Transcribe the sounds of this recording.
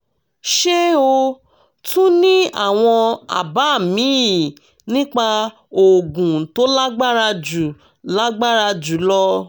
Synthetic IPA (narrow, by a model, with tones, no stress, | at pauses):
ʃe˦o˧ | tũ˦nĩ˦a̰˦˨w̃ɔ̃˧a̰˨ba˨˦˨mĩ˨˦˨ | nĩ˦k͡pa˧ | o˨ɡũ˨to˦la˦ɡ͡ba˦ɾa˧d͡ʒu˨ | la˦ɡ͡ba˦ɾa˧d͡ʒu˨˦lɔ˧